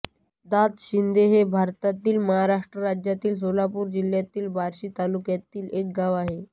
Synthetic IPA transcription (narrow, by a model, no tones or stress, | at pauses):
d̪at̪ɕind̪eɦebʱaɾt̪at̪iːlməɦaɾaʂʈɾəɾad͡ʑjat̪iːls̬olapuːɾd͡ʑil̤jat̪iːlbʱaɾɕiːt̪alukjat̪iːlek̚ɡaʋaɦe